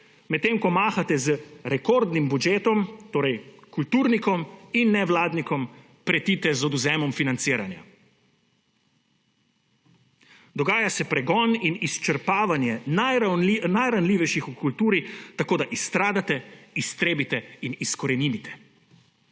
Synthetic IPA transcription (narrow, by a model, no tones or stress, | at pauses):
mɛt̪ːeːmkɔmaːxat̪ɛzəɾɛkɔɾd̪nimbud͡ʒeːt̪ɔmt̪oːɾɛjkult̪uːɾnikɔminːɛʋlaːd̪nikɔm | pɾɛt̪iːt̪ɛzɔd̪uzɛːmɔmfinant̪siːɾanja̰ | d̪ɔɡaːjasɛpɾɛɡɔːninist͡ʃəɾpaːʋanjɛnaaninajɾanliʋɛjʃixukult̪uːɾit̪akoːd̪aʔist̪ɾaːd̪at̪ɛist̪ɾeːbit̪ɛiniskɔɾɛnimit̪ɛ̥